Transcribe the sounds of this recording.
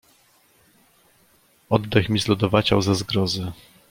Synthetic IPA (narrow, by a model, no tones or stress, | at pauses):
ɔd̪ːɛxmʲizlɔd̪ɔvat͡ɕawzazɡɾɔzɘ